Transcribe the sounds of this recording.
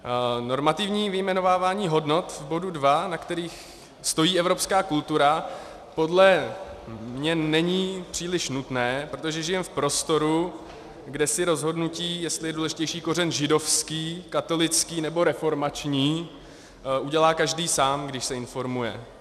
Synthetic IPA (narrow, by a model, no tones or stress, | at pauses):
no̞ɾmat̪ɪvɲiːvɪjmɛno̞vaːvaːɲiːɦo̞dno̞t̪vbo̞dudvanakt̪ɛɾiːx | st̪o̞jiːɛvɾo̞pskaːkult̪uɾa | po̞dlɛ | mɲɛnɛɲipr̥iːlɪʃnut̪nɛːpɾo̞t̪oʒɛʒɪjɛmfpɾo̞st̪o̞ɾu | ɡdɛsɪɾo̞zɦo̞dnuciːjɛst̪lɪjɛduːlɛʒɪcɛjʃiːko̞rɛnʒɪdo̞fskiːkat̪o̞lɪt͡skiːnɛbo̞ɾɛfo̞ɾmat͡ʃɲiː | ʔuɟɛlaːkaʒdiːsaːmɡdɪʃsɛɪnfo̞ɾmujɛ̰